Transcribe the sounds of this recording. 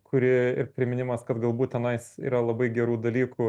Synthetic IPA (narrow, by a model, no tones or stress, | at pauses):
kʰʊɾʲɪɪɾpʲɾʲɪmʲɪnʲɪmɐskɐt̪ɡɐlˠbuːt̪̚ʲt̪ʲɛnɐɪsḭːɾɐlˠɐbɐɪɡʲɛɾuːd̪ɐlʲiːkʊ